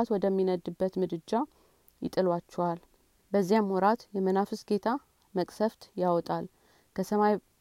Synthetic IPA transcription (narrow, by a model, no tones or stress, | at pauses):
at̪wɔd̪əmːinəd̪ːɨbːət̪mɨd̪ɨd͡ʒːa | jɪ̰t̪ʼɨlwat͡ʃːɛwal | bəzːijamwɔɾat̪jɛmənafɨsɡe̞t̪ʰa | məkʼsəft̪jawɔt̪ʼal | kʰəsəmaj